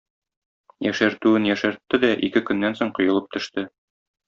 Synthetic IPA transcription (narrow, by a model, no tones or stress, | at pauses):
jæʃæɾt̪ʉɘnjæʃæɾt̪ːɘd̪æʔikɘkɵ̆nːænsoɴqŏjŏlˠɤp̚t̪ɵ̆ʃt̪ɘ